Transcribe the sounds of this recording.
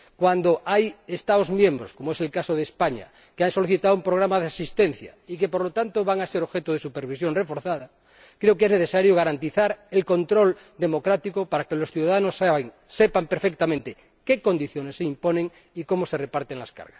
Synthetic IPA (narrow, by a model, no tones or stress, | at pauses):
kwand̪oʔajest̪aozmjẽmbɾoskomoeselkasoðespaɲa̰ | keanso̞liθit̪aðoumpɾoɣɾamað̞easist̪enθja̰ikepoɾlot̪ant̪oβaŋaseɾoβxet̪oð̞esupeɾβisjonrefoɾθaða | kɾeokezneθesaɾjoɣaɾant̪iθaɾelkont̪ɾo̞l | d̪emokɾat̪ikopaɾakelosθjuðaðanosaŋ | sepampeɾfek̚t̪amẽnt̪e | keko̞nd̪iθjonesːeimponẽŋ | ikomoserepaɾt̪eŋlaska̰ɾɣas